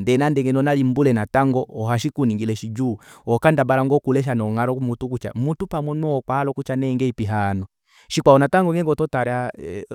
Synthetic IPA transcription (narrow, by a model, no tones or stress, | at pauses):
ndɛnandɛŋɡɛnɔnalimbulɛnataŋɡɔːɦaʃikuniŋɡilɛʃid͡ʒuːɔkandabalaŋɡɔkulɛʃ̬anɔŋaɾɔmutukut͡ʃa̰mutupamwɔnɔːkwalɔkut͡ʃanɛŋɡɛipiɦanɔ | ʃikwaɔnataŋɡɔŋɛŋɡɔtɔtaɾja